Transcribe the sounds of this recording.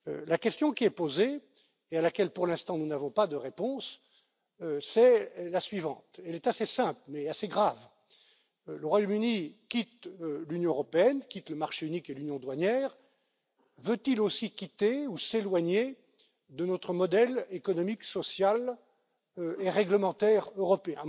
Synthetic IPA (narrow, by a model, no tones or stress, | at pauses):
lakʲɛst̪jɔ̃kʲiɛpozeː | alakʲɛlpuʁlɛ̃st̪ɑ̃nunavɔ̃pad̪əʁepɔ̃s | sɛlasɥivɑ̰̃t̪ɛlɛt̪asesɛ̃plmɛaseɡʁav | ləʁwajɔmynikʲit̪lynjɔ̃øʁɔpeɛnkʲit̪ləmaʁʃeynikelynjɔ̃d̪waɲjɛːʁ | vøt̪ilosikʲit̪euselwaɲe | d̪ənɔt̪χəmɔd̪ɛlekɔnɔmiksɔsjal | eʁɛɡləmɑ̃t̪ɛʁøʁɔpeɛ̃